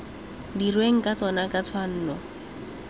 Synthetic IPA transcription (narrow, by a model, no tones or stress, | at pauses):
dirweŋ̩kʼat͡sɔnakʼat͡sʰwan̩ːnɔ